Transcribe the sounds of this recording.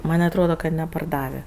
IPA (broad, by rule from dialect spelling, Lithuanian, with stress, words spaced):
ˈmɐnʲ ɐtˈroːdɐ kɐ nʲɛpɐrˈdɑːʋʲeː